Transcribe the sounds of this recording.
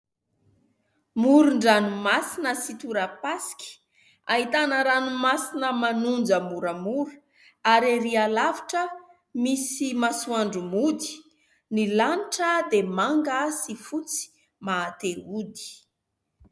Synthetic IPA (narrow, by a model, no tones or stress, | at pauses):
muɾuɳɖ͡ʐanumasinəsit̪uɾəpaskʲi̥ | aɦit̪anəɾanumasinəmanund͡ʒəmuɾəmuɾu | aɾeɾialavi̥ʈ͡ʂə | misimasuaɳɖ͡ʐumud̪i̥ | nilaniʈ͡ʂəd̪emaŋɡəsifut͡si̥ | maːt̪eud̪i̥